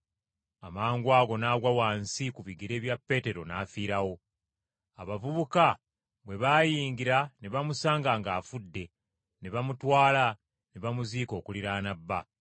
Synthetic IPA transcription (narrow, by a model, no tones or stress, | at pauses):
amaːŋɡwaːɡo̞naːɡwawaːnsikuβiɡiɾe̞ːβjapːe̞ːte̞ɾo̞naːfiːɾawo̞ | aβavuβuka | βwe̞βaːjiːŋɡiɾaneβamusaːŋɡaŋɡaːfudːe̞ | neβamutwaːla | neβamuziːko̞ːkuliɾaːnabːa̰